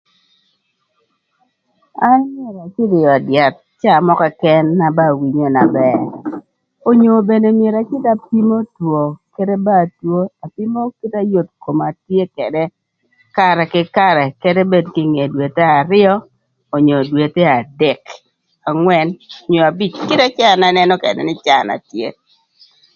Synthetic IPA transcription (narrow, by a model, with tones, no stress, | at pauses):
a˦nmje˨ɾa˨t͡ʃɪ˦dɪ˨jɔ˨dɪa˨t̪̚t͡ʃa˦˨mɔ˦kɛ˨kɛ˦nːa˨ba˦˨wi˨ɲo˦na˨bɛ˦ | o˨ɲo˨be˨ne˨mje˨ɾa˨t͡ʃɪ˦da˨pi˦mo˦two˨ke˦de˦ba˦˨two˦a˨pi˦mo˦ki˦ta˦jo˦tko˨ma˨tje˦kɛ˨dɛ˦ | ka˦ɾɛ˨kɪ˦ka˦ɾɛ˨ke˦de˦be˦dkɪ˦ŋe˨dwe˨te˦a˨ɾɪ˦ɔː˦˨ | ɲo˨dwe˨te˦a˨dɛ˨k | a˨ŋwɛ˦no˨ɲo˨a˨bi˦˨t͡ʃkɪ˦ta˦t͡ʃa˦˨na˨nɛ˦nɔ˦kɛ̰˨dɛ̰˨nɪ˦t͡ʃa˦˨na̰˨tjḛ˦